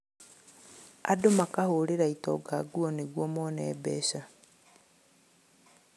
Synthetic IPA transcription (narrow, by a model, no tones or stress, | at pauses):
a̰domakahoɾeɾaitɔ̰ɡaɡuɔniɣwɔmɔnɛːbɛʃa